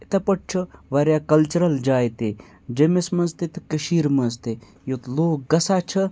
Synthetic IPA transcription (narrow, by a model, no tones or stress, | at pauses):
t̪ɐpɐʈ̚t͡ʃʰɐʋɐɾjaːkɐlt͡ʃɐɾɐld͡ʒaːjt̪e | d͡ʒemesmɐnzt̪et̪ɐkəʃiːɾmɐnzt̪e | jot̪loːkɡɐsaːt͡ʃʰɐ